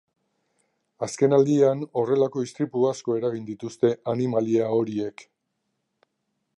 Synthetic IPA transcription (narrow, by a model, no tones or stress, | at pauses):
aske̞nald̪iano̞re̞lako̞ist̪ɾipuasko̞e̞ɾaɣind̪it̪ust̪e̞ʔanimaliao̞ɾie̞k